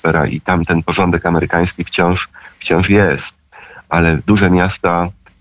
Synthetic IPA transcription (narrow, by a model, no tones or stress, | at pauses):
ɛɾa̰ʔḭt̪amt̪ɛnpɔʐɔnd̪ɛkamɛɾɘkaj̃skʲift͡ɕɔ̃w̃ʂft͡ɕɔ̃w̃ʂjɛst̪̚ʔalɛd̪uʐɛmʲjast̪a